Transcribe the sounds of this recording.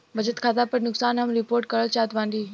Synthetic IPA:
ʋɐd͡ʒət̪kʰaːt̪apɐɾnʊksaːnɦɐmɾɪpoːɾʈ̚kɐɾət͡ʃaːt̪ʋãːnd̪iː

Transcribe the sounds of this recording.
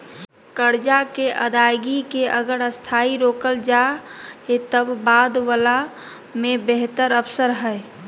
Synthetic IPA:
kəɾd͡ʒakeʔə̰d̪ajɡikeʔəɡəɾəst̪ʰaiɾoːkəld͡ʒa | et̪əbːad̪wəla | mẽbeɦt̪əɾəpʰsəɾɦəe

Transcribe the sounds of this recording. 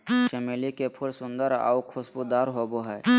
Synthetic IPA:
ʃemelikepʰʊɽsʊ̃nd̪əɾa̰ukʰʊsbud̪aːɾɦoːboɦɛː

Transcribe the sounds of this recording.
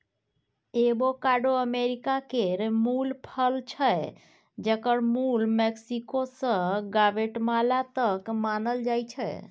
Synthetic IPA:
ebokaɖoəmeɾikakeɾmulpʰəlt͡ʃʰə | d͡ʒəkəɾmulmeksikosə̃ɡabeʈmalat̪əkmanəld͡ʒajt͡ʃʰɛ

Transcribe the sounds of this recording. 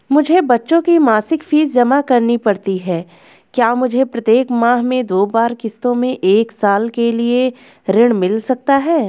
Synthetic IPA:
mʊd͡ʒʱebɐtːʃõkimaːsɪkfiːzd͡ʒɐmakɐɾnipɐɽt̪iɦɛː | kjaːmʊd͡ʒʱepɾɐt̪jeːkmãːɦmẽd̪oːbaːɾkɪst̪õmẽʔeːksaːlkelie | ɾɪɽ̃mɪlsɐk̚t̪aɦɛː

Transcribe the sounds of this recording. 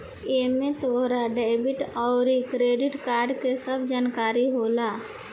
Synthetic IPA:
eːmẽt̪oɦɾaɖɛɪbɪʈɔːɾikɾeːɖɪʈkaːɾɖkesəbd͡ʒaːnkaːɾiɦoːlaː

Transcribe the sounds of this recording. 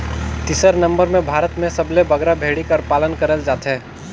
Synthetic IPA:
t̪ɪsəɾnɐ̃mbəɾmẽbʱaːɾət̪mẽsɐblebəɡɾabʱeːɽikəɾpaːlənkəɾəld͡ʒaːt̪ɦɛː

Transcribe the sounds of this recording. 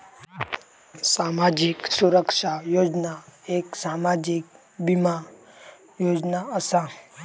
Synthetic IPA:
samad͡ʒiksuɾəkʂajod͡ʒnaeksamad͡ʒik̚ | bima | joːd͡ʒnaəsa

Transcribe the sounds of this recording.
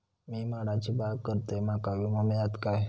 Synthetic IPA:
miːmaɽat͡ɕibaɡkəɾt̪emakaʋiməmjat̪kaj

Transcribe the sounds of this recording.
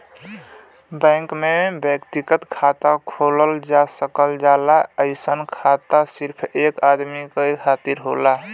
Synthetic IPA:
bə̃ŋkmebjəkt̪iɡət̪kʰat̪akʰoləld͡ʒasəkəld͡ʒalaəɪsənkʰat̪asiɾpʰekad̪mikekʰat̪iɾɦola

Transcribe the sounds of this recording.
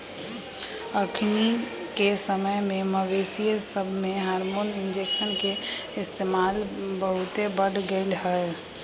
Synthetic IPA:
əkʰni | kesəməjmẽməʋesijesəbʱmeɦaɾmonind͡ʒeksənkeɪst̪emalbəɦut̪ebəɽɡəɪlɦəe

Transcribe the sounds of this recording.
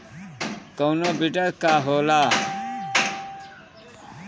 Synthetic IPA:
kownoːbiʈəɾkaːɦoːlaː

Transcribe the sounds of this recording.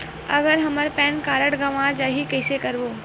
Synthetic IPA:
ɐ̰ɡəɾɦɐməɾpɛ̃ːnkaːɾəʈɡɐʋãd͡ʒaːɦikɐɪsekɐɾʋoː

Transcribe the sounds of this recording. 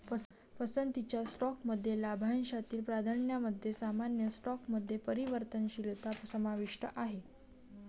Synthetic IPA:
pə | pəsənd̪t̪ːit͡ɕjasʈɔkməd̪ʱːjelabʱanɕat̪iːlpɾad̪ʱaɳjaməd̪ʱːjesamanjəsʈɔkməd̪ʱːjepəɾiʋəɾt̪ənɕilt̪asəmaʋiʂʈəʔaɦe

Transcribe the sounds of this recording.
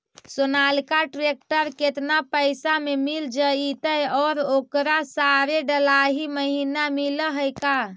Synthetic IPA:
sonalkaʈɾek̚ʈəɾket̪napəjsamemild͡ʒəit̪əjɔːɾokɾasaɾeɖəlaɦiməɦinamiləɦəjka

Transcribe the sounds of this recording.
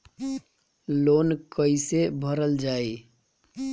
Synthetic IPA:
loːnkəɪsebʱəɾəld͡ʒaːi

